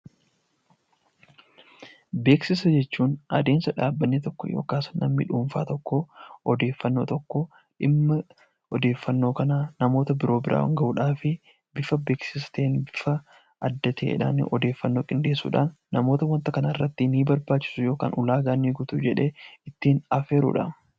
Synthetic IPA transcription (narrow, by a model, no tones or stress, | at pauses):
be̞ːksɪsɐd͡ʒɛt͡ʃːuːnɐ̰d̪e̞ːnsɐᶑaːbːɐnːeːt̪ɔkːɔ̰jo̞̰ːkaːsnɐ̰mːḭᶑuːɱfa̰ːt̪ɔkːoɔd̪e̞ːfːɐnːo̞̰ːt̪ɔkːɔ | ᶑɪmːɐ | ɔd̪e̞ːfːɐnːo̞ːkɐnaːnɐmo̞ːt̪ɐbɪɾo̞ːbɪɾʔa̰ːwɐ̰ŋɡɐʔuːᶑaːfɪ | bɪfɐbe̞ːksɪsɐ̥t̪eːnbɪfɐ | ʔɐd̪ːɐt̪ʰeḛᶑa̰ːnɪ̰ʔɔd̪e̞ːfːɐnːoːkʼɪnd̪e̞ːsːṵːᶑa̰ːnːɐmo̞ːt̪ɐwɐnt̪ɐkɐnɐɪrːɐt̪ːɪniːbɐɾbaːt͡ʃːɪ̥sʊjo̞ːka̰ːnʔʊlaːɡaːnːiɡʊt̪ʊd͡ʒɛᶑe̞ːɪt̪ːiːnɐfeːɾṵːᶑɐ̰